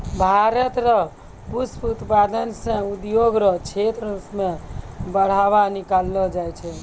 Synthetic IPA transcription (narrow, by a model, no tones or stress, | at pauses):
bʱaɾət̪ɾɔ | pusput̪pad̪ənsẽud̪joɡɾɔt͡ʃʰet̪ɾəsmẽbəɽ̤aβanikalːɔd͡ʒajt͡ʃʰɛ